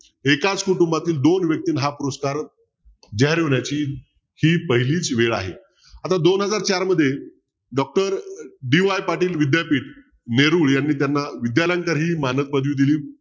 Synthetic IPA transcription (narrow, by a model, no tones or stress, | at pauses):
ekat͡skuʈumbat̪iːld̪onʋjək̚t̪iːnɦapuɾəskaɾ | d͡ʑəɦɾjoɳjat͡ɕiː | hiːpəɦiliːt͡sʋeɭa̰ɦḛ | at̪ad̪onɦəd͡zaɾt͡ɕaɾməd̪ʱːje | ɖɔk̚ʈəɾɖiʋajpaɾʈiːlʋid̪japiːʈ | neɾuɭjanːiːt̪janːaʋid̪jaləŋkəɾɦiːmanət̪̚pəd̪ʋiːd̪iliː